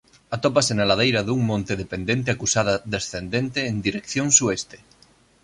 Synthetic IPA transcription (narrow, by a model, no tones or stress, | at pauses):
at̪ɔpasenalað̞ejɾɐðuŋmõnt̪eðepend̪ẽnt̪̬eakusaðɐðesθend̪ent̪eːnd̪iɾekθjoŋsuest̪e̥